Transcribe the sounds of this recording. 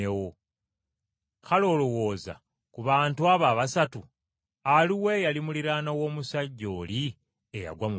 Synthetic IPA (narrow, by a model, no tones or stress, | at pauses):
ewo | kʰalo̞ːlowo̞ːza̰ | kuβaːntuaːβaːβasatu | aliwe̞jalimuliɾaːnawo̞ːmusaɟːo̞ːli | eja̰ɡwamu